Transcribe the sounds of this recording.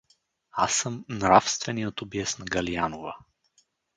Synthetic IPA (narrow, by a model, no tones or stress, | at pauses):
asəmnɾafst̪vɛniot̪obiɛsnɐɡɐlianovə